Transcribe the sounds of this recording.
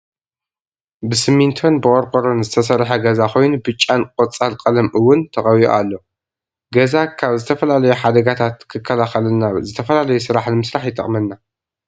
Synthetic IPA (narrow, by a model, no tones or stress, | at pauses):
bɨsɨmint̪ʰo̞nbɨʔʼoɾkʼoɾonzɨt̪ʰɐs̬ɐrħɐɡɐzako̞jnubɨt͡ʃʼːankʼot͡sʼːalkʼɐlɐmʔɨwːʊnt̪ʰɐχʼɐwio̰alːo̞ | ɡɐzakʰaβzɨt̪ʰɐfɐlalɐjuħad̪ɐɡat̪ʰat̪kʰɨkʰːɐlaxɐlɐnːazɨt̪ʰɐfɐlalɐjusɨɾaħnɨmɨsɾaħjɪt̪ʼɐ̰χʼmɐnːa